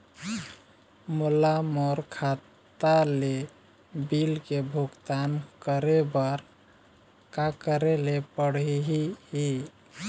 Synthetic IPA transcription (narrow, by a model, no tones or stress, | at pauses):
mulamɔɾkʰat̪ | ale | bilkebʱuɡt̪ankəɾebəɾ | kakəɾelepəɽiɦiɦi